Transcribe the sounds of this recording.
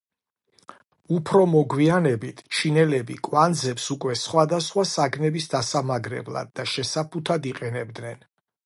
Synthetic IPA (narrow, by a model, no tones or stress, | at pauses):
upʰɾɔmɔɡwianɛbit̪ʰt͡ʃʰinɛlɛbikʼwand̪zɛpsukʼwɛsχwad̪asχwasaɡnɛbisd̪asamaɡɾɛ̰blˠa̰d̪̚ːaʃɛsapʰut̪ʰad̪iqʼɛnɛbd̪nɛn